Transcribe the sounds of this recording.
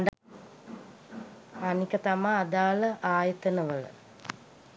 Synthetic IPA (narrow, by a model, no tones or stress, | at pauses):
ɖ | anikət̪amaːd̪aːləʔaːjɐt̪ənəʋələ̰